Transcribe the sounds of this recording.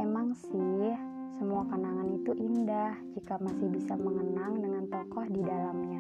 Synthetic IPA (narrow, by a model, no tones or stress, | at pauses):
emaŋsɪh | səmuakənaŋanit̪uʔindahd͡ʒikamasɪhbisaməŋənaŋdəŋant̪ɔkɔhdidalamɲa